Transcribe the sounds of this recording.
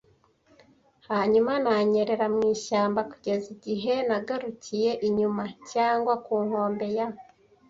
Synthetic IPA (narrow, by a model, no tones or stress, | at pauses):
haːɲumanaɲe̞ɾe̞ɾamŋiːʃaːmbaku̥ɟe̞ziɟiɦe̞naɡaɾucije̞ʔiɲumacaːŋɡwakuːŋho̞ːmbe̞ja